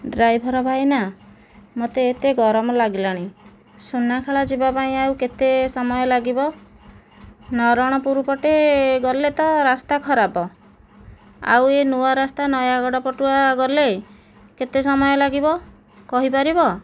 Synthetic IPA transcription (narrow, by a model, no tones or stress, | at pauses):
ɖɾajbʱɔɾɔbʱajna | mot̪eːt̪eɡɔɾɔmɔlaɡilaɽ̃i | sunakʰeɭad͡ʒibapaĩawket̪esɔmɔjɔlaɡibɔ | nɔɾɔɽ̃ɔpuɾupɔʈeɡɔlet̪ɔɾast̪akʰɔɾabɔ | a̰wenuwaɾast̪anɔjaɡɔɽɔpɔʈuaɡɔle | ket̪esɔmɔjɔlaɡibɔ | kɔɦipaɾibɔ